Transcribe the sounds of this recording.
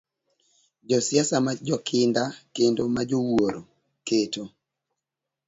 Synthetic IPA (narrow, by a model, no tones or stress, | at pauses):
d͡ʒɔsjasamad͡ʒɔkʰɪndakendomad͡ʒowoɾo | keto